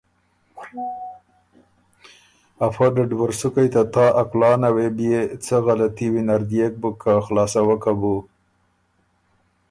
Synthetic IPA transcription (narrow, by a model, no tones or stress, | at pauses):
afad̪əɖwaɾsukajt̪at̪ɑʔaklɑnawebjet͡səɣalat̪iwinaɾd̪jek̚bəkʰaxlɑsawəkabu